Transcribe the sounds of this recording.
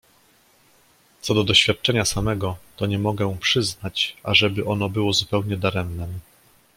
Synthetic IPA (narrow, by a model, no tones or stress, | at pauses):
t̪sɔd̪ɔd̪ɔɕfʲjat̪̚t͡ʂɛɲasamɛɡɔt̪ɔɲɛmɔɡɛpʂɘznat͡ɕʔa̰ʐɛbɘʔɔn̪ɔbɘwɔzupɛwɲɛd̪aɾɛmnɛ